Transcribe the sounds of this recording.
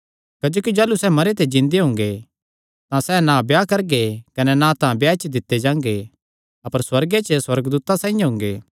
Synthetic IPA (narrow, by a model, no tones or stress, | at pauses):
kɐd͡ʒoːkid͡ʒaːlusɛmɐɾet̪̬ed͡ʒɪ̃nd̪eɦʊ̃ːŋ̆ɡe | t̪ãsɛnãbjakɐɾɡekɐnɛnãt̪ãbjaɪt͡ʃd̪ɪt̪ːed͡ʒãːŋɡe | ɐpəɾswɐɾɡet͡ʃəswɐɾəɡd̪uːt̪asãːĩjãɦʊ̃ːŋ̆ɡeː